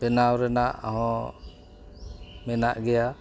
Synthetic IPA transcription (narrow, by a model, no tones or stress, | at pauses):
bɛnawɾɛnaʔa̰ɦɔ̃ | mɛnaʔɡɛja